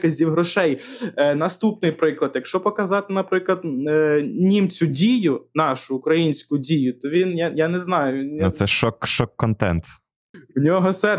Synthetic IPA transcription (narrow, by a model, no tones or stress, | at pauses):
kɐzʲiwɦɾɔʃɛjnɐst̪upnɪjpɾɪklˠɐd̪jɐkʃt͡ʃɔpɔkɐzɑt̪ɪnɐpɾɪklˠɐd̪ | nʲimt͡sʲʊdʲijʊnɑʃʊːkɾɐjinʲsʲkʊdʲijʊt̪ɔʋʲinjajanɛznɑjʊʋʲinʊsɛʃɔkʃɔkːɔnt̪ɛ̰nt̪ | ʊnʲɔɦɔsɛ